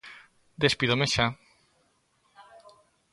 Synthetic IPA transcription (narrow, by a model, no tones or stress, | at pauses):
d̪espiðomeʃa